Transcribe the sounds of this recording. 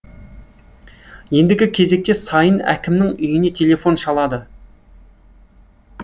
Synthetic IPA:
je̞nd̪ɪɡʲɪkʲʰe̞ze̞k̚t̪e̞sɑjənæ̰kʲʰɪmnɪŋʏjɪne̞t̪ʰe̞lʲe̞fo̞nʃɑlˠɑd̪ə

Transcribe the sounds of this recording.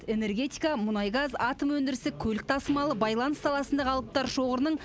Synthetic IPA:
e̞ne̞rɡʲe̞t̪ijkamʊnɑjɡɑzɑt̪əmwɵnd̪ɪɾɪsɪkʲʰɵlɪk̚t̪ʰɑsəmɑlˠəbɑjlˠɑnsɑlˠɑsənd̪ɑqʰɑlˠəp̚t̪ɑɾʃo̞ʁəɾənəɴ

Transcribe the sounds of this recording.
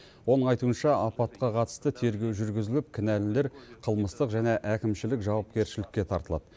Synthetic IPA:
wo̞nəɴɑjt̪uənʃɑʔɑpɑt̪̚qɑqʰɑt̪ə̥st̪ət̪ʰe̞ɾɡʲe̞wʒʏɾɡʲɪzɪlɪp̚kʲʰɪnælɪle̞ɾqʰəlˠməst̪əqʒæne̞ʔækʲɪmʃɪlɪkʒɑwɑp̚kʲe̞ɾʃɪlɪkʲːe̞t̪ʰɑ̰ɾt̪əlˠɑ̰d̪̥ə

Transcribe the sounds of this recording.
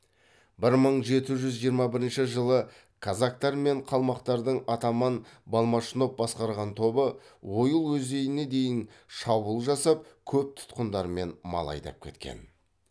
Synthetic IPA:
bɪɾməɴʒe̞t̪ɪʒʏzʒijəɾmɑbɪɾɪnʃɪʒəlˠə | kʰazak̚t̪ɑɾme̞ɴqʰɑlˠmɑqt̪ɑɾd̪əɴɑt̪ɑmɑnbɑlˠmɑʃəno̞p̚bɑsqɑɾʁɑnt̪ʰo̞bəwo̞jəlˠwɵzd̪e̞jɪne̞d̪e̞jɪn | ʃɑbulˠʒɑsɑp̚kʲʰɵp̚t̪ʰʊ̥t̪qənd̪ɑɾme̞nmɑ̰lˠɑ̰jd̪ɑ̰p̚kʲʰe̞̰t̪kʲe̞̰n

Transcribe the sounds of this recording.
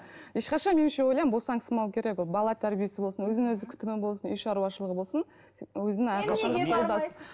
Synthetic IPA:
je̞ʃqɑʃɑnmeʃewo̞jlˠɑjmmbo̞lsɑŋsəmɑwkʲʰe̞ɾe̞kwolˠbɑlˠɑt̪ʰæɾbije̞sɪbo̞lˠsənwɵzɪnwɵzɪkʲʰʏ̥t̪ɪmebo̞lˠsənʏjʃɑɾuwɑʃəlˠəʁəbo̞lˠsən | wɵzɪnɪæɾqʰɑʃɑnd̪ɑolˠd̪ɑsən

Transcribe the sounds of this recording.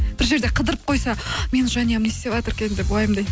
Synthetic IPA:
b̥ɪɾʒeɾd̪e̞qʰəd̪əɾəp̚qʰo̞jsɑme̞nʒɑnijɑmne̞st̪e̞vɑt̪əɾkʲe̞nnd̪ebʊlˠɑjəmd̪ej

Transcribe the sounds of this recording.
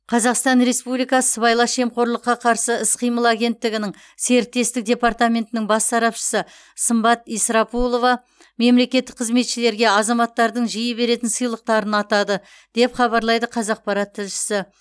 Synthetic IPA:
qʰɑzɑqst̪ɑnɾe̞spublijkɑsəbɑjlˠɑʃe̞mqo̞ɾlˠəqːɑqʰɑɾsəɪsqʰijməlˠaɡʲe̞nt̪ːɪɡʲɪnɪŋ | se̞ɾɪt̪ːe̞st̪ɪk̚d̪ʲe̞pɑrt̪amʲe̞nt̪ɪnɪŋbɑsːɑɾɑpʃə̥sə | səmbɑt̪ijsɾɑpulˠo̞vɑ | me̞mle̞kʲet̪ːɪ̥k̚qʰəzme̞t̪ʃɪle̞ɾɡʲe̞ɑzɑmɑt̪ːɑɾd̪əɴʒijəbe̞ɾe̞t̪ɪnsɨjlˠəq̚t̪ɑɾənɑt̪ɑd̪ə | d̪̥e̞pχɑβɑɾlˠɑjd̪əqʰɑzɑq̚pɑɾɑt̪ʰːɪlʃɪ̥sɪ

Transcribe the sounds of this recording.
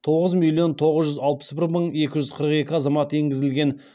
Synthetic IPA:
t̪ʰo̞ʁəzmilʲˠːijo̞nt̪ʰo̞ʁəzʒʏzɑlˠpə̥sbɪɾməɴe̞kʲɪʒʏzqʰəɾəqe̞kʲɪɑzɑmɑt̪e̞ŋɡʲɪzɪlɡʲe̞n

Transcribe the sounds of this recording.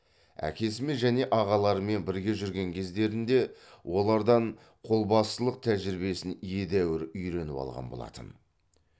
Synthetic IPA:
æ̰kʲʰe̞s̬ɪmenʒæne̞ʔɑʁɑlˠɑɾəme̞nbɪɾɡʲe̞ʒʏɾɡʲe̞ŋkʲʰe̞zd̪e̞ɾɪnd̪e̞wo̞lˠɑɾd̪ɑɴ | qʰo̞lˠbɑst̪əlˠəq̚t̪ʰæʒɪɾɪbe̞sɪnije̞d̪æwɪɾʏjɾe̞nɪpɑ̰lˠʁɑ̰nbo̞lˠɑ̰t̪ə̰n

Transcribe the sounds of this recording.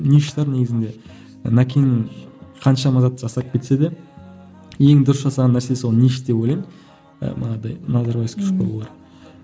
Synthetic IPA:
niʃt̪ɑɾne̞ɡʲɪzɪnd̪e | nɑkʲʰenɪŋqʰɑnʃɑmɑzɑt̪̚ːʒɑsɑp̚kʲʰe̞t̪se̞d̪e | je̞ŋd̪ʊɾəsʒɑsɑʁɑnːæɾsesolˠniʃt̪̚d̪e̞pojlɑj̰ | mɑ̰nɑd̪ɑjnɑzɑɾbɑjɪskʲʰʏʃ̚bolˠulˠɑɾ

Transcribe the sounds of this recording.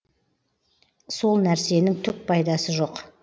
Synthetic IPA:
so̞lˠnæɾse̞nɪŋt̪ʰʏk̚pʰɑjd̪ɑsəʒo̞q

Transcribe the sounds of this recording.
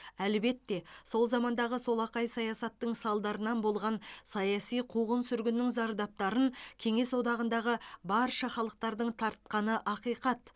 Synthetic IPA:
ælbe̞t̪ːe̞so̞lˠzɑmɑnd̪ɑʁəso̞lˠɑqɑjsɑjɑsɑt̪ːəɴsɑlˠd̪ɑɾənɑnbo̞lˠʁɑnsɑjɑsijqʰuʁənsʏɾɡʲɪnːɪŋzɑɾd̪ɑp̚t̪ɑɾənkʲʰe̞ŋe̞swo̞d̪ɑʁənd̪ɑʁəbɑɾʃɑχɑlˠəq̚t̪ɑɾd̪əɴt̪ʰɑɾt̪̚qɑnəʔɑqijqɑt̪

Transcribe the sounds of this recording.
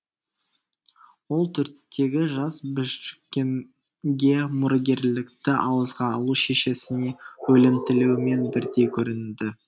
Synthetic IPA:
wo̞lˠt̪ʰɵɾt̪ʰːe̞ɡʲɪʒɑsbʏʃkʲːen | ɡʲe̞mʊɾəɡʲe̞ɾlɪkt̪ɪʔɑwəzʁɑːlˠuʃe̞ʃe̞sɪne̞wɵlɪmt̪ɪlewɪme̞nbɪɾd̪e̞jkʲʰɵɾɪnd̪ɪ

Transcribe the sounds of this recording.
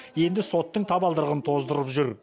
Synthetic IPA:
je̞nd̪ɪso̞t̪ːəɴt̪ʰɑbɑlˠd̪əɾəʁənt̪ʰo̞zd̪əɾəpʒʏɾ

